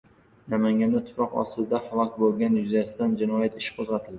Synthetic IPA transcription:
namaŋɡʲand̪at̪ʰʊ̥pʰɒqɒ̰st̪ɪld̪ahalˠɒkʲbolˠɡʲanjʊzasɪd̪and͡ʒɪnɒjat̪ɪ̥ʃqʰozʁɑt̪ʰɪld̪ɪ

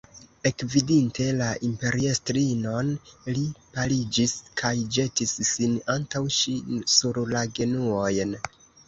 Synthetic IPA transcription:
e̞kvidinte̞laʔimpe̞ɾiestɾino̞nlipalid͡ʒiskʰajd͡ʒe̞tisːinantawʃisuɾlaɡe̞nuo̞jn

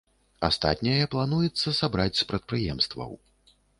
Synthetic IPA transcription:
a̰st̪a̰t̪ʲnʲɐjɐplˠanujɛt̪sːɐsabɾat͡sʲspɾɐt̪̚pɾɨjɛmst̪vɐ̰w

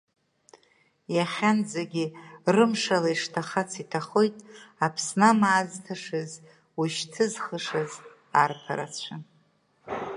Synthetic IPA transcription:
jaχʲand͡zaɡʲirɨmʂalaiʂtʰaχat͡sʰitʰaχojtʼapʰsnamaːztʰaʂɨz | wuʃtʰɨzχəʂaz | arpʰa̰ɾa̰t͡sʷʰa

